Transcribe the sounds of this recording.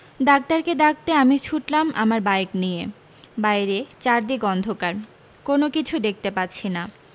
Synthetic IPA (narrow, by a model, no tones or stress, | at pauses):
d̪ak̚t̪aɾked̪ak̚t̪eamit͡ɕʰuʈlamʔa̰maɾbajeknije | bajɾet͡ɕaɾd̪ikɔnd̪ʱokaɾ | konokit͡ɕʰud̪ek̚ʰt̪epatːɕʰina